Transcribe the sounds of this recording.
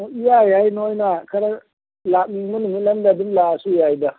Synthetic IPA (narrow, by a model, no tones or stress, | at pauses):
muʔijaːjainoinaːkɐɾa | lamimunimilɐndadɪnlasujaːjida